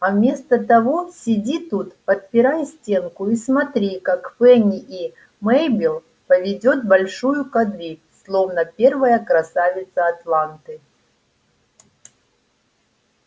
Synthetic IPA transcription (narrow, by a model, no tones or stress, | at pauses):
ɐvmʲe̞st̪ət̪ɐvosʲɪdʲit̪ut̪pət̪̚pʲɪɾajsʲtʲe̞nkʊismɐt̪ɾʲikakfɛnʲɪʔi | mɛjbʲɪlˠ | pəvʲɪdʲo̞t̪̚bɐlʲʂujʊkɐd̪vʲi | slˠo̞vnəpʲe̞rvəjəkɾɐsavʲɪt̪səːt̪lˠant̪ɨ